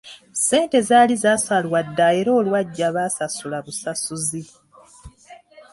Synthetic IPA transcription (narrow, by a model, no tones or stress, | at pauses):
se̞ːnte̞zaːlizaːsalwadːae̞ɾoːlwaɟːaβaːsasulaβusasuzi